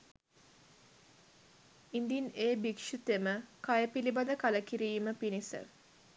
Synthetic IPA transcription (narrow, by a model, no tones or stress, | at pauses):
ind̪ineːbikʃut̪eməkajəpilibɐd̪əkaləkiɾiːməpinisə̰